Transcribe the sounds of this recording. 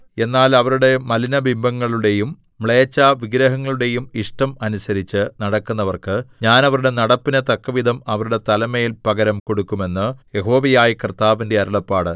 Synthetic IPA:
e̞nːaːlɐʋɐɾuɽe̞mɐlinɐbimbʱɐŋːɐɭuɽe̞jumː | ɭeːt͡ɕːaʋiɡɾɐɦɐŋːɐɭuɽe̞jumiʂʈɐmɐnusɐɾit͡ɕːɨnɐɽɐkːunːɐʋɐrkɨɲaːnɐʋɐɾuɽe̞nɐɽɐpːinɐt̪ɐkːɐʋid̪ʱɐmɐʋɐɾuɽe̞t̪ɐlɐmeːilpɐɡɐɾɐmko̞ɽukːume̞nːɨje̞ɦo̞ːʋɐjaːjikrt̪aːʋinde̞ɐɾɐɭɐpːaːɽɨ

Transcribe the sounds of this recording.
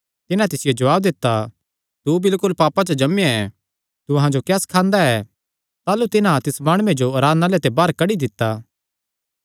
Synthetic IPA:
t̪ɪnat̪ɪsɪjod͡ʒɐʋaːb̚d̪ɪt̪ːa | t̪ubɪlkʊlpaːpat͡ʃɐd͡ʒɐmɛ | t̪uɐɦãd͡ʒokɛːskʰãːnd̪aɛ | t̪aːlut̪ɪnãt̪ɪsmaːɽ̃ʊ̃ẽd͡ʒoɐɾaːd̪naːlet̪ebaːɾkɐɽid̪ɪt̪ːaː

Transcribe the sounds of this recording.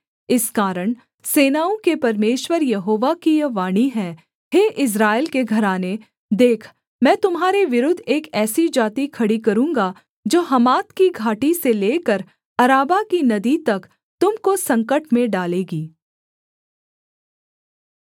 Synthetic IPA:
ɪskaːɾəɽ̃ | seːnaːõkepɐɾmeːʃwəɾjɐɦoːʋakijɐʋaːɽ̃iɦɛ̃ | ɦeːʔɪs̬ɾaːɪlkeɡʱɐɾaːne | d̪eːkʰ | mɛ̃ːt̪ʊmɦaːɾeʋɪɾʊd̪ʱeːkɛːsid͡ʒaːt̪ikʰɐɽikɐɾũːŋɡa | d͡ʒoːɦɐmaːt̪kiɡʱaːʈiseleːkəɾ | ɐɾaːbakinɐd̪it̪ɐk | t̪ʊmkosɐ̃ŋkəʈmẽɖaːleːɡiː

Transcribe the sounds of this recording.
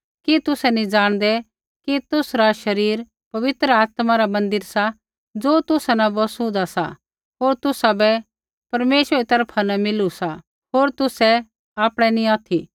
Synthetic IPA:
kit̪ʊsɛnĩd͡zaːɽ̃d̪ɛ | kit̪ʊsɾaʃɐɾiːɾ | pɐʋɪt̪ɾəaːt̪maɾamɐ̃nd̪ɪɾsa | d͡zoːt̪ʊsanãbɔsũd̪asa | ɦoːɾt̪ʊsabɛ | pɐɾmeːʃʋəɛit̪ɐɾpʰanamɪlusa | ɦoːɾt̪ʊsɛ | aːpɽ̃ɛnĩaːt̪ʰi

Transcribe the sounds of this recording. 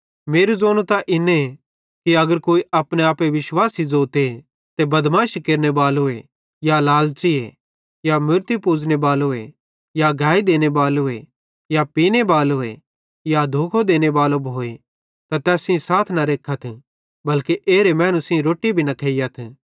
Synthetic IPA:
meːɾuzoːnũt̪aʔɪne | kiɐɡəɾkoːiʔɐpɽ̃eaːpeʋɪʃwaːsid͡zoːt̪e | t̪ebɐd̪mãːʃkeːɾnebaːloe | jalaːlt͡ʃiḛ | jamʊɾt̪ipuːd͡ʒnebaːloe | jaɡʱaːid̪eːñebaːloe | japiːnebaːloḛ | jad̪ʱoːkʰod̪eːñebaːlobʱoːe | t̪at̪ɛːsɪ̃saːt̪ʰnɐɾeːkʰːat̪ʰ | bɐlkiʔeːɾemɛ̃ːnusɪ̃ĩɾoːʈːibʱinɐk̪ʰeːɪjat̪ʰ

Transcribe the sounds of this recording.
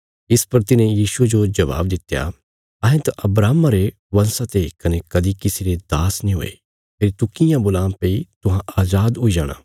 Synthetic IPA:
ɪspɐɾt̪ɪnẽjiːsued͡ʒod͡ʒɐʋa̰ːb̚d̪ɪt̪ːja̰ | ɐɦẽt̪aʔɐbɾaːmaɾe | ʋɐ̃nsãt̪ekɐnekɐd̪ikɪsiɾed̪aːsnĩɦo̰ːḛ | pʰeːɾit̪ʊkɪjãbʊlãːmpeit̪ʊɦãaːzaːd̪ɦʊid͡ʒaːɽ̃a̰ː

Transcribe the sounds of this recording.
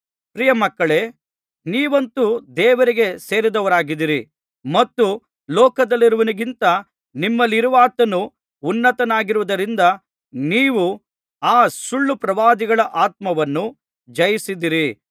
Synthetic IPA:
pɾijɐmɐkːɐɭe̞ | niːʋɐnt̪ud̪ɛːʋɐɾiɡe̞seːɾid̪ɐʋɐɾaːɡid̪iɾi | mɐt̪ːu | lɔːkɐd̪ɐlːiɾuʋɐniɡint̪ɐ | nimːɐlːiɾuʋaːt̪ɐnuː | nːɐt̪ɐnaːɡiɾuʋud̪ɐɾind̪ɐ | niːʋu | aːsuɭːupɾɐʋaːd̪iɡɐɭɐʔaːt̪̚mɐʋɐnːu | d͡ʒɐjisid̪iɾi

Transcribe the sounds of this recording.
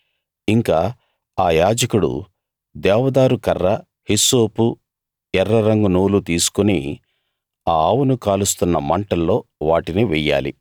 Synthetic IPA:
iŋkaː | aːjaːd͡ʒɐkuɽṵ | d̪ɛːʋɐd̪aːɾukɐrːɐ | hisoːpu | ɛrːɐɾɐŋɡunoːlut̪iːsu̥kuni | aːaːwunukaːlust̪unːɐmɐɳʈɐlːo̞ːʋaːʈiniʋɛjːa̰ːlḭ

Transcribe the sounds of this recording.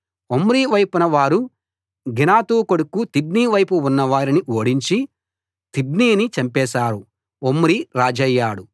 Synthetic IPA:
omɾiːʋɐjpunɐʋaːɾu | ɡinaːt̪uːkoɽukːut̪ibniːʋɐjpuːnːɐʋaːɾiniʔoːɽiɲt͡ʃi | t̪ibniːnit͡ʃɐmpɛːsaːɾu | omːɾiɾaːd͡ʒɐjːaːɽu

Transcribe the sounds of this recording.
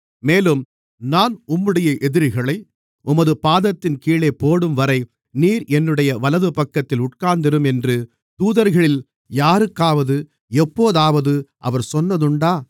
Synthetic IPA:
meːlɯm | naːnʊmːɯɽɐjɐʔɛðɪɾɣɐɭɐɪ | ʔʊmɐðɯpaːðɐt̪ːɪnkiːɭeːpoːɽɯmʋɐɾɐɪ | niːɾɛnːɯɽɐjɐʋɐlɐðɯpɐkːɐt̪ːɪlʊʈ̚kaːnd̪ɪɾɯmɛndrɯ | t̪uːðɐɾɣɐɭɪl | jaːɾɯkːaːʋɐðɯ | ɛpːoːðaːʋɐðɯʔɐ̰ʋɐɾsɔnːɐðɯɳɖaː

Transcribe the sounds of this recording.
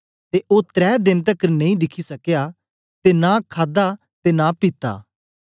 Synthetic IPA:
t̪eʔot̪ɾɛːd̪ɪnt̪əknẽĩd̪ɪkʰisɐkja | t̪enãkʰaːd̪a | t̪eːnapɪt̪a̰ː

